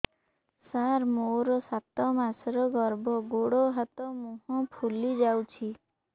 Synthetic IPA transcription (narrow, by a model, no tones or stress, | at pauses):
saɾmoɾɔsat̪ɔmasɾɔɡɔɾbʱɔɡoɽɔɦat̪ɔmũɦɔ̃pʰulid͡ʒawt͡ʃʰi